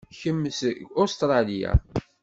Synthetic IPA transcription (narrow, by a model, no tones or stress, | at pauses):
çəmːsost̪ɾˤɑlija̰